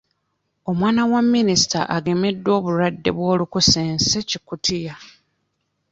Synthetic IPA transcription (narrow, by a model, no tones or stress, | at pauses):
o̞mwaːnawamːinisi̥ta̰ʔaɡe̞me̞dːwo̞ːβuɾadːe̞̰βwo̞ːlukuse̞ːnse̞cikutʰija